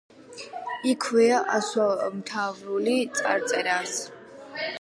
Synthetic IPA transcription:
ikʰwɛaʔaswamt̪ʰavɾulit̪sʼa̰ɾt̪sʼɛɾas

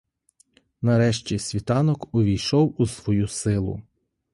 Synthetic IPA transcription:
nɐɾɛʃt͡ʃʲisʲʋʲit̪ɑnɔkʊʋʲijʃɔwusʋɔjusɪlˠʊ̰

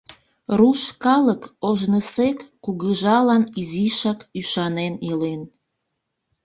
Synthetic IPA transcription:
ruʃkɑləkoʒnəsekːuɣəʒɑlɑniziʃɑkyʃɑnenilen

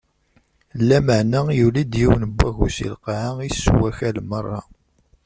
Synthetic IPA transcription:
lːæməʕnæjulid̪jiwnəbːæʝṵsḭlqaʕaisːwæçælmərˤːɑ

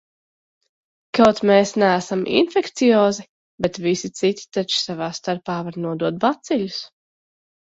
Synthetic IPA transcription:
kawt̪mɛːsnæːsamʔḭnfɛkt̪sijɔːzi | bɛt̪visit̪sit̪ʲi̥t̪at͡ʃsavaːst̪aɾpaːvaɾnuɔd̪uɔt̪̚bat̪sɛʎʲus

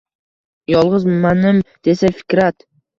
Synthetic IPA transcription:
jɒlˠʁɨzmanɪmd̪̥esafɪ̥kʲɾat̪

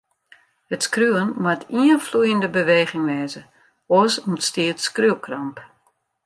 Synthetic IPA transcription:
hətskryənmatʰiənflujəndəbəʋeːɣɪŋʋɛːzə | osɔmətstiətskryəkʰrɔmp

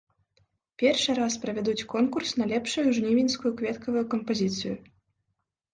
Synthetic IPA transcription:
pʲɛrʂɨɾaspɾɐvʲɛd̪ut͡sʲkɔnkursnɐlʲɛpʂujuʐnʲivʲinʲskujukvʲɛt̪kɐvujukɐmpɐzʲit̪sɨjṵ

